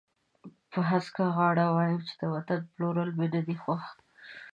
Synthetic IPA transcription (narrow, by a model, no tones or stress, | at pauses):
pəɦaskaɣɑɽawɑjəmt͡ʃɪ̥d̪̥əwat̪anploɾəlbeɖad̪ixwaxt̪